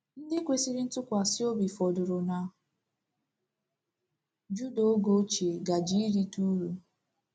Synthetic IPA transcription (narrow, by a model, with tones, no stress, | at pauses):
n̩˦dɪ˦kʷe˦si˦ɾi˦n̩˦tʊ˦kʷa˨si˦o˦bi˨fɔ˨dʊ˨ɾʊ˨na˨ | d͡ʒu˦do˨˦o˦ɡo˦t͡ʃe˨ɡa˨d͡ʒi˦ɾi˦tu˦ɾu˦